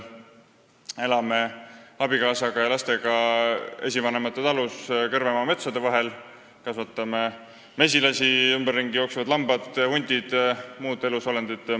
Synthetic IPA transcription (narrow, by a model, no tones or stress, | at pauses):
e̞lɑme̞ɑb̥ikɑːsɑɡ̥ɑjɑlɑst̪e̞ɡ̥ɑe̞̰sʲivɑnemɑt̪ːˑet̪ɑluskɤrvemɑme̞t̪sod̪e̞vɑɦe̞l | kɑsvɑt̪ːˑɑme | me̞s̬ʲilɑsiymberːiŋɡ̥ijo̞ːksevɑd̪lɑmbɑd̪̥hunʲd̪̥ʲid̪̥muːd̪e̞luso̞lend̪̥id̪̥